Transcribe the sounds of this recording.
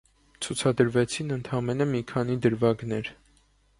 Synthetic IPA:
t͡sʰut͡sʰɑd̪əɾvɛt͡sʰinənt̪ʰɑmɛnəmikʰɑnid̪əɾvɑɡnɛɾ

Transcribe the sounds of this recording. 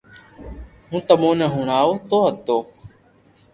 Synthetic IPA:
ɦũːt̪əmõːnəɦuɳ̃aːoːt̪oːɦət̪oː

